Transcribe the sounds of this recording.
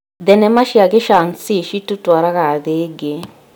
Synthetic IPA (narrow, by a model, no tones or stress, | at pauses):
d̪ɛnɛmaʃiaɡeʃansiʃitutwaɾakaðeɡe